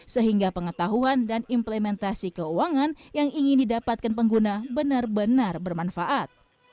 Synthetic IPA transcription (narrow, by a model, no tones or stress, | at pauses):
səɦiŋɡapəŋət̪aɦuandanimplemɛnt̪asikəuaŋanjaŋiŋɪndidapat̪̚kanpəŋɡunabənarbənarbərmanfaʔat̪̚